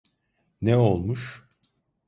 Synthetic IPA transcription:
nɛolˠmuʃ

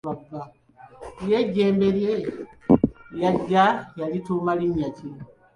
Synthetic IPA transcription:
aba | jeɟeːmbeɾje | jaɟajalitumaliɲaci

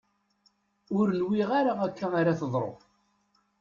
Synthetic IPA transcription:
ʊɾənwiʁaɾaækʰːænaɾaθəðˤɾˤo̰

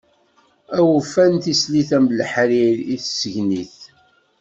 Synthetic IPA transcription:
æwfːænt̪isliθæmlħɾiɾiθsəʝniθ

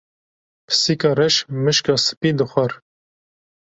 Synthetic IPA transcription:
pʰɨ̥sikɑːɾɛʃmɨʃkɑːsɨ̥pid̪əxʷɛɾ

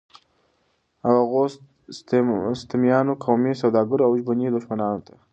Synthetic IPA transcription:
awaɣos | st̪ɪmjɑnokʰawmisawd̪ɑɡʊɾawʒbʊnid̪ʊʃmanɑnot̪ʰḁ

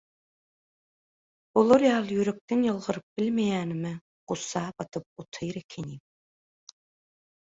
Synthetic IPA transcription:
olˠoɾjɑːlˠɯjyɾek̚t̪enjɯlˠʁɯɾɯp̚bilʲmejæːnimɪ | qusɑːbɑt̪ʰɯp̚ut̪ʰɯjɾekʲʰenim

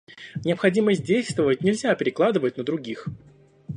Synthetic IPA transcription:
nʲɪəpxɐdʲiməsʲt̚ʲdʲejst̪vəvət̚ʲnʲɪlʲzʲapʲɪɾʲɪklˠad̪ɨvət̚ʲnəd̪ɾʊɡʲix

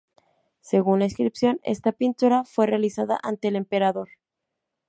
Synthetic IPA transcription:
se̞ɣunlaeskɾipsjo̞ne̞̰st̪apint̪uɾafwe̞realisaða̰ʔant̪e̞ːle̞mpe̞ɾaðo̞ɾ

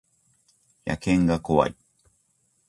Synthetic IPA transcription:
ja̰kʰeŋɡakoa̰j

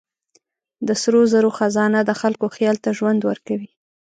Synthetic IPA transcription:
d̪əsɾozaɾoxazɑnad̪əxalkoxjɑlt̪aʒwand̪wəɾkawi

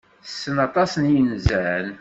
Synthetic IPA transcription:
θəsːənɑt̪ˤɑsənjənzæn

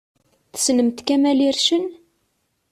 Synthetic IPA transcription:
θə̥snəmt̪kæmæliɾʃən

